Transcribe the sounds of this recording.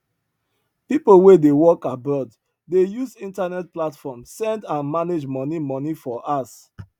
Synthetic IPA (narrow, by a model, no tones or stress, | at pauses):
pipowedewɔkabɔd | dejuzĩntanɛt̚platfɔmsɛ̃ndãnmaned͡ʒmɔnimɔnifɔʔas